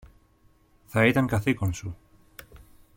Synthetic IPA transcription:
θɐit̪ɐŋkɐθikonsu

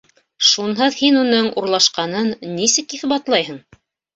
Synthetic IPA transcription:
ʃunɦɤðhinunɤɴuɾlˠɑʃqɑnɤnnːisɘkiθbɑt̪lˠɑjhɤɴ

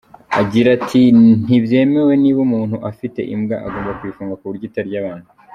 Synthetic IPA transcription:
aɟiɾatʰin̥ibje̞ːme̞we̞niβumuːnhuʔafite̞̰ʔimɡa̰ʔaɡoːmbakwiːfuːŋɡakuβuɾɟiːtaɾɟaβaːn̥hu

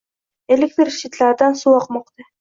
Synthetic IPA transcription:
elɪk̚ʲt̪ɪɾʃit̪laɾd̪ɑnsuwɑqmɑqt̪ɨ

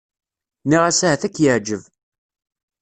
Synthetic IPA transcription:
niʁæsahæθækːjəʕd͡ʒəv

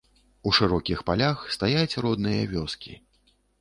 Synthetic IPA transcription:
uʂɨɾɔkʲixpalʲaxst̪ajat͡sʲrɔd̪nɨjɐvʲɔskʲḭ

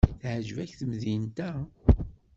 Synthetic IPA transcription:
θʕəʒəvæçθəmðint̪æ

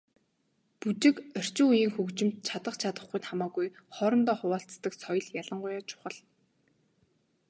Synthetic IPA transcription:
put͡ɕɪ̆kœr̥t͡ɕɪ̆ujiːŋxɵkt͡ɕɪ̆mt̪̚t͡ɕʰat̪ə̆χt͡ɕʰat̪ə̆χɡujt̪χamaːɣujχɔɾɞ̆nt̪ɔːχʊwaːɬt͡st̪ə̆ksɔj̆ɮjaɮə̆ɴɢʊjaːt͡ɕʰʊ̥χə̆ɮ

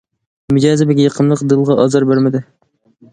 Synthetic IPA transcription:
mud͡ʒɑːzɪbɛɡʲɛjɑqʰənlˠəqd̪ɨlˠʁɑʔɑzɑɾbeɾmɪd̪ɪ

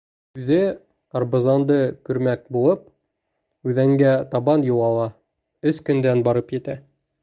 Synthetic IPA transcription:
ʉðɘ | ɐrbŏzɑnd̪ɤkɵ̆ɾmæk̚bulˠɤp̚ | ʉðæŋɡæt̪ɑβɑnjŏwɑlˠɑ | ɵskɵ̆nd̪ænbɑɾɤpjɘ̆t̪æ

